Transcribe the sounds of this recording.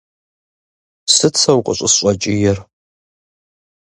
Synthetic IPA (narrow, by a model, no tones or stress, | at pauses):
sɨt͡sʰɐwqʼəɕʷʼʊsɕʷʼɐt͡ʃʼɪjɛr